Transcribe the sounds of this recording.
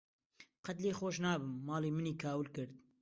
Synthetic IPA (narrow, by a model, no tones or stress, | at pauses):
qɐt̪leːxoːʃnɑːbɨmːɑːleːmɨniːkʰaːwɨlkɨɾd̪̚